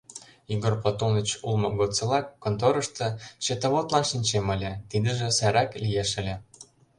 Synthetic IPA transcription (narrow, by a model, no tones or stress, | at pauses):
iɡorpot̪onət͡ɕulmɤ̆ɡot͡sɤ̆lɑkːont̪oɾɤ̆ʃt̪ɤ̆t͡ɕĕt̪ə̆βot̪lɑnʃinʲt͡ɕemə̆lʲĕt̪id̪ə̆ʒĕsæɾæklʲijeʃə̆lʲĕ